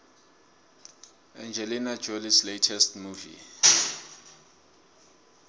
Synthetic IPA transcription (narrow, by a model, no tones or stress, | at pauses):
ɛ̃nd͡ʒʱɛlinad͡ʒolisletʰɛstmuvḭ